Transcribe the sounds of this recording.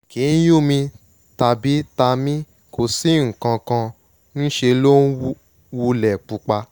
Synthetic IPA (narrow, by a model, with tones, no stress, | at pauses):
ki˨˦n̩˦ju˦˨mĩ˧ | ta˧bi˨˦ta˧mĩ˦ | ko˨si˨˦ŋ̩˨kã˧kã˧ | nĩ˦ʃe˧lo˦n˦ | wu˧lɛ˨k͡pu˧k͡pa˧